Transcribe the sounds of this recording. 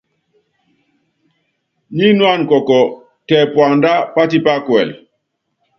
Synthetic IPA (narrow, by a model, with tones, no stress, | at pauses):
ɲi˦nwa˦˨nkɔ˨kɔ˨ | tɛ˨pwa˨nda˦pa˦ti˦pa˦kwɛ˨l